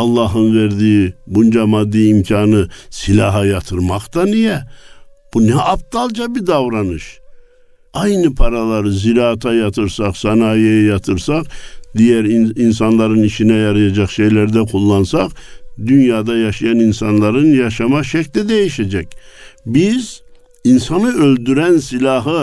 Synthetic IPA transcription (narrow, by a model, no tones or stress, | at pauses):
ɑlˠːɑɦɯnveɾd̪ijibund͡ʒamɑd̪ːiimcʰɑːnɯsilʲɑɦɑjɑt̪ʰɯɾmɑqt̪ɑnijɛb̥unɛɑp̚t̪ɑlˠd͡ʒɑbid̪ɑvɾɑnɯʃ | ɑjnɯpʰɑɾalˠɑɾziɾɑːt̪ʰɑjɑt̪ʰɯɾsɑqsɑnɑːjɛjɛjɑt̪ʰɯɾsɑqd̪ijæɾins̬ɑnlˠɑɾɯniʃinɛjɑɾɯjɑd͡ʒɑχʃejlæɾd̪ækʰulˠːɑnsɑqd̪ynjɑːd̪ɑjɑʃijɑninsɑnlˠɑɾɯnjɑʃɑmɑʃɛclid̪ejiʃɛd͡ʒɛcbiz | insɑnɯøld̪yɾænsilʲɑɦɯ